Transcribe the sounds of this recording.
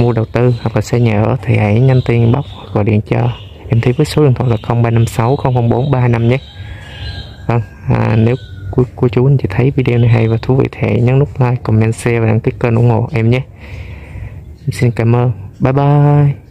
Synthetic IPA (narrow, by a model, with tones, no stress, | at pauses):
mu˧əɗə˨˩wt̪ɨ˧ha˨˩k̚laː˨˩sɛ˧ɲə̰ː˧˩t̪ʰi˨˩ha̰˧˦jɲa˧ŋt̪i˧ənɓa˦˥wk͡p̚hkɔ̰˧˨˩ɗḭ˧˩ənt͡ɕɔ˧˩ | ʔɛ˧mt̪ʰə˨˦vəː˨˦so˨˦ɨ˨˩ŋt̪ʰw̰a˧˨˩laː˨˩xə˧wŋ͡mɓaː˧na˧msa˨˦wxə˧wŋ͡mxə˧wŋ͡mɓo˨˦nɓaː˧na˧mɲɛ˨˦ | və˧ŋ | a̰ː˨˩ne˨˦wkku˧ət͡ɕu˨˦ht͡ɕḭ˧˨˩t̪ʰə˨˦jvi˧ɗe˧o˧na˨˩jɦa˧jvaː˨˩t̪ʰu˨˦vḭ˧˨t̪ʰa˧˨˩jɲa˨˦nnʊ˦˥k͡p̚laː˧jkɔ˨˩ŋ͡mɲa˧nsɛ˧vaː˨˩a̰˧˩ŋkaː˨˦jkəː˧nʔṵ˧˩əŋho̰˧˨ʔɛ˧mɲɛ˨˦ | ʔɛ˧msi˧nkaː˧˩mʔəː˧nɓaː˨˦jɓaː˧j